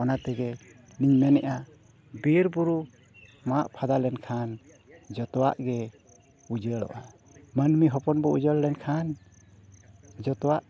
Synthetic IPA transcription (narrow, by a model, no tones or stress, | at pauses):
ɔnat̪ɛɡɛ | niɲmɛnɛʔa | biɾbuɾu | maʔpʰad̪alɛnkʰan | d͡ʒɔt̪ɔwaʔɡɛ | ud͡ʒəɽɔ̰ʔa | mənmiɦɔpɔnbɔud͡ʒəllɛnkʰan | d͡ʒɔt̪ɔwaʔ